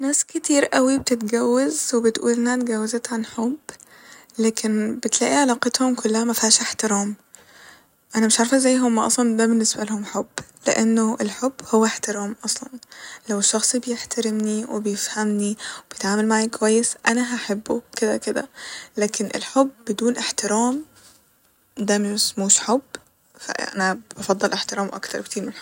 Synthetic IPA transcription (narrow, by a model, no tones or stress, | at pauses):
næːskɪt̪iːɾʔæwib̚t̪ɪt̪ɡæwːazwebɪt̪ʔṵːlʔenhæt̪̚ɡæwːezet̪ʕanħob | læːkʰɪnbɪt̪læːʔiʕalɑːqɑt̪homkʰʊlːahæmæfihæːʃʔeħt̪ɪɾɑːm | ʔænæmɪʃʕaɾfæzæjːɦʊmːæʔɑ̰sˤlɑnd̪æbɪnːesbælhʊmħobːleʔanːoʔelħobːhowːæħt̪ɪɾɑːmʔɑsˤlɑnlawɪʃːɑxsˤibjɪħt̪ʰaɾɪmniwɪ̰bjɪfhamniwɪb̥jɪt̪ʕaːmalmaʕjikʊwajːɪsʔanaɦaħɪbːukɪd̪akɪd̪a̰laːkɪnʔɪ̰lħʊbːɪd̪uːnʔɪħt̪ɪɾaːm | d̪amɪɪsmuːʃħʊb | fa̰ʔa̰nabɑfɑd̪ˤːɑlʔɪħt̪ɪɾaːmʔa̰kt̪ɑɾˤkt̪iːɾmɪnħb